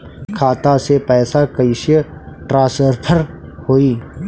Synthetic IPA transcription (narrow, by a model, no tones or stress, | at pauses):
kʰaːt̪asepɛːsakɐɪʃjəʈɾaːsəɾpʰəɾhoːiː